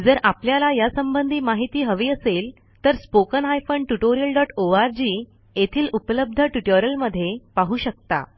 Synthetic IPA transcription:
d͡zəɾapljalajasəmbənd̪ʱiːmaɦit̪iːɦəʋiːəsel | t̪əɾspokənɦajfəɳɖʈuʈoɾijəlɖɔʈoaɾd͡ʑiː | jet̪ʰiːlupələb̚d̪ʱəʈuʈəɾəlməd̪ʱːjepaɦuːɕək̚t̪a̰

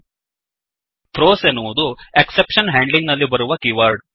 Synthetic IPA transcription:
pɾoːsenːuʋud̪ueksepʂɐnɦaːɳɖliŋɡnɐlːibɐɾuʋɐkiʋaːɾɖ

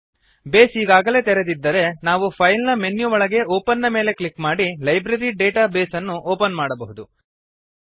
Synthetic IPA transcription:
be̞ːsiːɡaːɡɐle̞ːt̪ɛɾed̪id̪ːɐɾe̞naːʋupʰɐjlnɐme̞njuʋɔɭɐɡe̞oːpɐnːɐme̞ːle̞klikmaːɽilɐjbɾɐɾiɖeːʈabeːsɐnːuʔoːpɐnmaːɽɐbɐɦud̪u

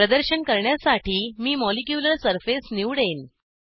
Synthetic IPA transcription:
ɾəd̪əɾɕənkəɾɳjasaʈiːmiːmɔlikjuləɾsəɾfesniʋɽen

